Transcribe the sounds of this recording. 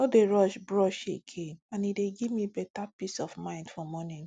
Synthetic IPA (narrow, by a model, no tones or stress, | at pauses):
odeɹɔʃbɹɔʃeɡẽnãnideɡivmibɛtapisɔvmãɪ̃ndfɔmɔnĩn